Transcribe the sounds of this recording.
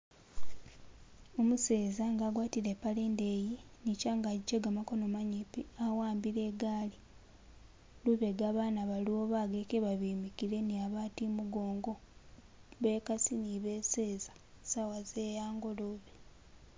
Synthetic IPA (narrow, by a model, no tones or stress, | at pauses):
omuse̞ːzaŋɡaːɡwaːtiɾepaleːndeːjinicaŋɡaɟeɡamako̞nomaɲipiawaːmbiɾe̞ɡaːli | luβeɡaːβaːnaβaliwo̞βaɡekeβaβiːmikiɾe̞niaβaːtimuɡo̞ːŋɡo̞ | βe̞kasiniβeːseːzḁ | sawazeːjaːŋɡo̞luβe